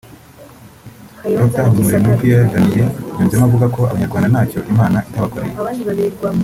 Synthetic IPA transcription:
dok̚tahmumuɾemuipiaɡanijeɲuːmzemaavuɡakʰo̞a̰βaɲaɾɡwaːndanaːco̞ʔimaːnaʔitaβakoɾḛje

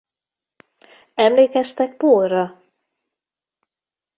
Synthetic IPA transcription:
ɛmleːkɛst̪ɛk̚poːrːɒ

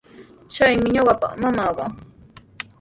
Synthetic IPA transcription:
t͡ʃajmɪɲoɢɑpɑ̰χmamɑɢɑ

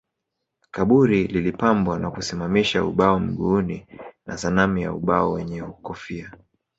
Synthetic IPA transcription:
kaɓuɾililipambwanakusimamiʃauɓaɔm̩ɠuːnina̰sanamija̰ṵɓaɔwɛɲɛukɔfia

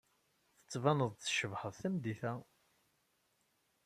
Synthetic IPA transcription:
θə̥t͡sːvɑnəðˤθʃəvhəðˤθæmd̪iθæ

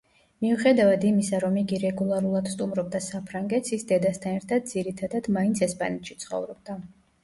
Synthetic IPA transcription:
miuχɛd̪avad̪imisaɾɔmiɡiɾɛɡulˠaɾulˠad̪̥st̪ʼumɾɔb̚d̪asapʰɾaŋɡɛt̪ʰsʰisd̪ɛd̪ast̪ʰanɛɾt̪ʰad̪̚d̪z̥iɾit̪ʰad̪ad̪̥maint̪sʰɛspʼa̰nɛt̪ʰʃi̥t̪sʰχɔ̰vɾɔb̚d̪a

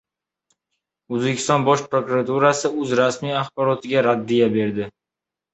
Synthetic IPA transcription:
ɵzbekʲʰɪ̥st̪ɒnbɒʃpɾokuɾat̪uɾasɪɵzɾasmijaχbɒɾɒt̪ʰɪɡʲaɾad̪ːijabe̞ɾd̪ɪ

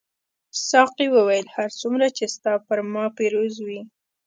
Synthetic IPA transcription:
sɑqiwəwajəlhaɾt͡sumɾat͡ʃest̪ɑpəɾmɑpeɾozwi

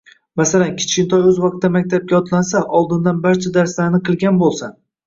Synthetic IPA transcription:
masalankʲʰɪ̥t͡ʃkʲɪnt̪ʰɒjɵzvɑq̚t̪ːamak̚ʲt̪ʰap̚ɡʲaɒt̪lansaʔɒlˠd̪ɪnd̪anbaɾt͡ʃʰad̪aɾslaɾnɪqʰɨlˠɡʲanbolˠsa

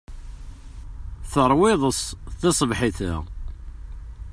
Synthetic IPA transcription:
θəɾˤwɪðˤəsˤθesˤəvħɪθə̰

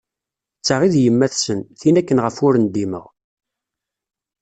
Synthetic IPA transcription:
t͡sːaʁiðjəmːæθsənθinækːənʁəfʊɾənd̪imə̰ʁ

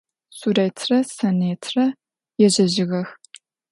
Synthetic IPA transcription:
surɐːjtʰrɐsɐneːtʰrɐ | jɛʑɐʑɪɣɐx

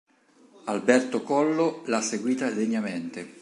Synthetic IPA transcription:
albɛrt̪okɔlːolasːeɡwiːt̪ad̪eɲːament̪e

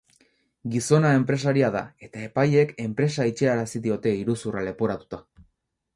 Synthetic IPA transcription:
ɡiso̞nae̞mpɾe̞saɾiaðae̞t̪ae̞paje̞ke̞mpɾe̞sait͡ʃeaɾasiðio̞t̪e̞iɾusurale̞poɾat̪u̥t̪a

